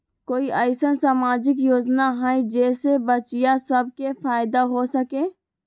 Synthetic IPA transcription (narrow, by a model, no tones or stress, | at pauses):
koːiʔɐɪsənsaːmaːd͡ʒɪkjoːd͡ʒnaɦãːĩd͡ʒɛːsebət͡ʃijasəb̚kefaːɪd̪aɦosəkẽː